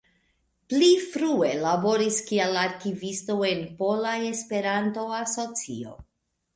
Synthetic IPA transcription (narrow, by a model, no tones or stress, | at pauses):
plifɾue̞labo̞ɾiskialaɾkivisto̞e̞npo̞laje̞spe̞ɾanto̞aso̞t͡sḭo̞̰